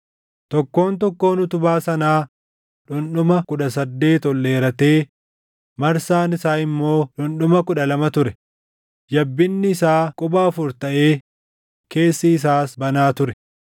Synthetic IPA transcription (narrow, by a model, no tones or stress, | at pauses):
t̪ɔkːo̞ːnt̪ɔkːo̞ːnʊt̪ʊbaːsɐnaː | ᶑʊnɗʊmɐkʊᶑɐsɐd̪ːe̞ːt̪ɔlːe̞ːɾɐt̪e̞ː | mɐɾsaːnɪsaːɪmːo̞ːᶑʊnɗʊmɐkʊᶑɐlɐmɐt̪ʊɾɛ | d͡ʒɐbːɪnːɪɪsaːkʼʊbaːfʊɾt̪ɐʔe̞ː | ke̞ːsːɐɪs̬aːsbɐnaːt̪ʊɾɛ